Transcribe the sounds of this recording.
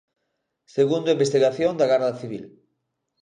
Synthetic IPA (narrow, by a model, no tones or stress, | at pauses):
seɣund̪oaimbest̪iɣaθjond̪aɣaɾðaθiβ̞ḭl